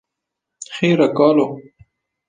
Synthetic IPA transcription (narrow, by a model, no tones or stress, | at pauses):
xeːɾakɑːlo